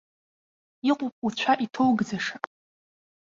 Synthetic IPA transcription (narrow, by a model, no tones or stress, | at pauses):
iqʷʼʊpʼut͡ɕʷʰaʔitʰowɡd͡zaʂapʼ